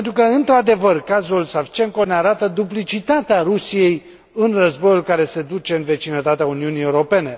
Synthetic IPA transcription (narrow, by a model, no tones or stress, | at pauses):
ent̪ɾukəɨnt̪ɾad̪e̞vərkazulsavt͡ʃe̞ŋko̞neaɾat̪əd̪uplit͡ʃit̪at̪eaɾusije̞j | ɨnrəzbo̞julkaɾe̞se̞d̪ut͡ʃe̞ɨnve̞t͡ʃinət̪at̪eauniunije̞uɾo̞pe̞ne̞